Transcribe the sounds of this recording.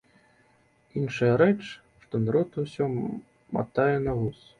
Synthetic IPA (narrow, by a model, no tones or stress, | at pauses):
inʂɐjɐɾɛt͡ʂ | ʂt̪ɔnɾɔt̪uwsʲɔ | ma̰t̪ajɛnɐvus